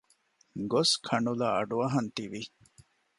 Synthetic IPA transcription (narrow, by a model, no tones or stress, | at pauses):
ɡoskʰɐɳulaːɐɖuɐɦɐnt̪iʋi